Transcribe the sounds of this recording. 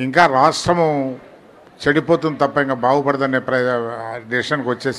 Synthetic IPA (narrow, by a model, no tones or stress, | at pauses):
iŋkaːɾaːʂʈɾɐmu | t͡ʃeɽipoːt̪und̪it̪ɐpːɐiŋkaːbaːɡupɐɽɐd̪ɐnepɾɐɖiʂɐnkʋɐt͡ʃːe̞ːs